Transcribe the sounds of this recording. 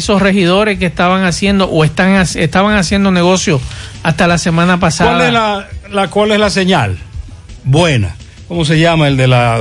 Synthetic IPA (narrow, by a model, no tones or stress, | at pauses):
so̞sre̞hiðo̞ɾe̞skest̪aβaŋasje̞nd̪o̞ʔoest̪aŋasest̪aβaŋasje̞nd̪o̞ne̞ɣo̞sjoast̪alase̞mãnapasaaleslalakwaleslaseɲal | bwena̰ | komos̬e̞ʝamaeld̪ela